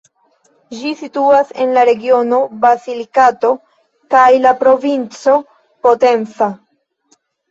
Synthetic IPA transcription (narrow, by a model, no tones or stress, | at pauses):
d͡ʒisituase̞̰nlaɾe̞ɡio̞no̞bazilikato̞ | kajlapɾo̞vint͡so̞ | po̞te̞nt͡sa